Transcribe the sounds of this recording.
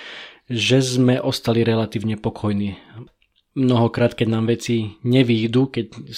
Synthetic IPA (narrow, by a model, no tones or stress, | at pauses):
ʒɛzmɛʔɔst̪aliɾɛlat̪iːʊɲɛpɔkʰɔjniː | mnɔɦɔkɾaːt̪kɛɟnaːmʋɛt͡siɲɛʋiːd̪ukɛɟ